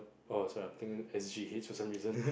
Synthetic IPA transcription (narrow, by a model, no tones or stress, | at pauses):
osɔɹiat̪ɪ̃ŋ̃ɛsʃihetsfɔsãmɹizə̃n